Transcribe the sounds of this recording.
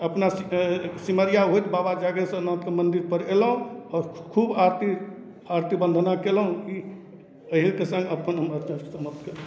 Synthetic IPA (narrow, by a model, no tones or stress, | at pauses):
əpna | siməɾjaɦojt̪babad͡ʒaɡesə̃nɔ̃t̪kemənd̪iɾpəɾelɦũɔːɾkʰubaɾt̪i | aɾt̪ibə̃nd̪ʱnakelɦũi | əɦekesə̃ŋɡəpənɦəmət͡ʃãsəməpt̪keɾ